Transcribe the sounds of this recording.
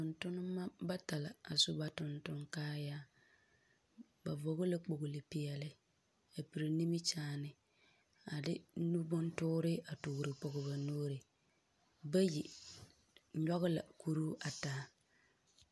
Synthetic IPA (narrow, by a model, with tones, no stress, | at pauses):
tʊ˨ntʊ˦nʊ˦mːa˦ba˦ta˨la˨a˨sʊ˦ba˨tʊ˨ntʊ˦ŋkaː˦jaː˦ | ba˨vo˨ɣʊ˦la˦k͡po˨ɣʊ˨lɪ˨pɪ˨ɛ˨lɪ˦ | a˨pi˨ɾi˨ni˦mɪ˦t͡ʃaː˦nɪ˨ | a˨dɪ̰˦nu˦bʊ˦ntʊː˦ɾɪ˦a˨tu˨ɣɾɪ˨k͡pɔ˨ɣʊ˨ba˨noː˦ɾɪ˨ | ba˦ji˨ | ɲɔ˦ɣʊ˦la̰˨ku˦ɾu˦ʔa˨taː˨˦